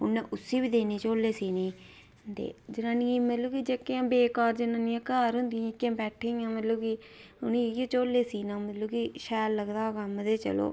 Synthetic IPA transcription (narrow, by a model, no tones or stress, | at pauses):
ʊnːɛ̃ʔʊsːiːbiːd̪eːniːt͡ʃoːlːeːsiːniː | t̪ḛːd͡ʒɪnãːnimət̪ləkid͡ʒekːãːbeːkaːɾd͡ʒɪnãːnĩãːkaːɾɦʊ̃nd̪ɪjãːɪkːjãːbɛːʈʰːeːãːmət̪ləːki | ʊnːket͡ʃoːlːeːsiːnãːmət̪ləːkiːʃɛːlːəɡd̪aːkəmd̪eːt͡ʃə̰lo̰ː